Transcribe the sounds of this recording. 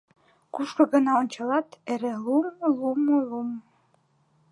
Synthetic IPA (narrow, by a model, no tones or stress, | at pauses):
kuʃkɤ̆ɡə̆nɑont͡ɕɑlˠɑt̪eɾelumlumlum